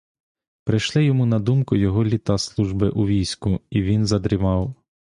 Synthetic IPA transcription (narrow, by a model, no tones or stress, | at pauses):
pɾɪʃlˠɪjɔmunɐd̪umkʊjɔɦɔlʲit̪ɑslˠuʒbɪʔuʋʲijsʲkʊiʋʲinzɐd̪ɾʲɪʋɑw